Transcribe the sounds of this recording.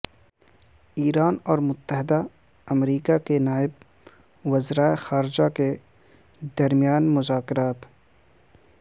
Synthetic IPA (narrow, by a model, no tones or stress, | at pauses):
iːɾaːnɔːɾmʊt̪ːəɦɪd̪a | ɐmɾiːkakenaːɪb | wɐzɾaːexaːɾɪd͡ʒake | d̪ɐɾmjaːnmʊzaːkɪɾaːt̪